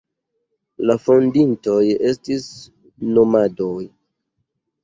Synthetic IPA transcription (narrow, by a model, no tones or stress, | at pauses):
lafondinto̞je̞stis | nomadoj